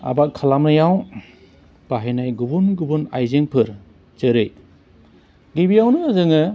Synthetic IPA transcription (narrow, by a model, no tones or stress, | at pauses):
a̰bakʰːalamnɯjaw | b̥aɦajnajɡubunɡubuna̰jzeŋpʰɯɾ | zɯɾɯj | ɡibijawnɯːzɯŋɯ